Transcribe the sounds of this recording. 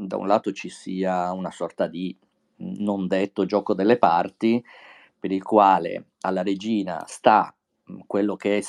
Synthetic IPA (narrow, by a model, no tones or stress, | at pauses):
d̪a̰ṵnlaːt̪ot͡ʃisiːaunasɔrt̪ad̪i | nond̪et̪ːod͡ʒɔːkod̪elːepart̪i | peɾilkwaːlḛ | a̰lːaɾed͡ʒiːna̰st̪a | kːwelːokeɛ